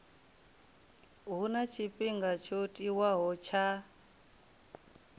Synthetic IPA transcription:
ɦunat͡ʃʰipʼiŋɡat͡ʃʰotʼiwaɦɔt͡ʃʰa

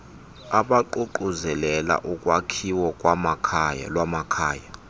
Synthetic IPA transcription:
aɓaǃuǃuzɛlɛla̰ʔukʼwakʰiwɔkʼwamakʰːja̰lwamakʰaːja

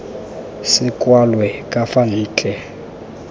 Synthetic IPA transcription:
sɪkʼwalwɛkʼafaniːt͡ɬʼɛ

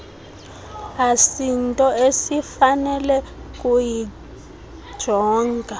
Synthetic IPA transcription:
asintʼɔesifanɛlɛk̬ʼuji | d̥ʒ̥ʱɔːŋɡʱa

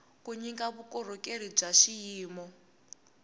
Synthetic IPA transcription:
kuɲiŋkaβukɔɾɔkʼeɾib͡ʐaʃijiːmɔ

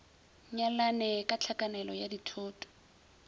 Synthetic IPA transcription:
ɲalanɛkʼat͡ɬʰakʼanɛlɔjaditʰoːtʼɔ̥

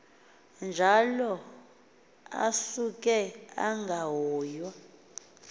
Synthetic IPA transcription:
nd͡ʒʱalɔ | a̰sukʼɛa̰ŋɡʱaɦɔːjwa

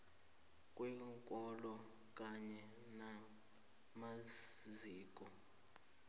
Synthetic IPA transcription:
kʼwɛŋkʼɔlɔ | k̬ʼaɲɛ | na | maziːkʼɔ

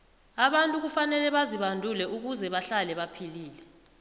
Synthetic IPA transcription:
aɓantʼuk̬ufanɛlɛɓaziɓandʱulɛʔuk̬uzɛɓaɬalɛɓapʰiliːlɛ

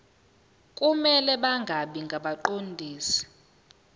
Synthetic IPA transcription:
kʼumɛlɛɓaŋɡʱaɓiŋɡʱaɓaǃondʱiːsi̥

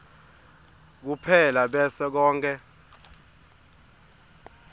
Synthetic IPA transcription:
k̬upʰɛlaɓɛsɛk̬ɔːŋkʰʼɛ

